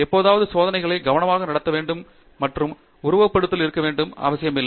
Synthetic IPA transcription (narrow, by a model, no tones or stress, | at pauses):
ɛpːoːðaːʋɐðɯsoːðɐnɐɪɣɐɭɐɪɡɐʋɐnɐmaːɣɐnɐɽɐt̪ːɐʋeːɳɖɯmː | ɐʈrɯm | ʊɾʊʋɐpːɐɽɯt̪ːɪlɪɾɯkːɐʋeːɳɖɯma̰ːʋɐsɪjɐmɪlːɐ